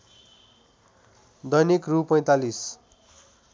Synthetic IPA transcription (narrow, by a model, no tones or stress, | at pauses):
d̪ʌjnikrupʌj̃t̪alis